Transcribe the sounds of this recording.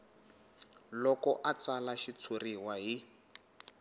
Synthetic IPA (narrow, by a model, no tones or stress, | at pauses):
lɔkɔʔat͡salaʃit͡sʰuriwaɦi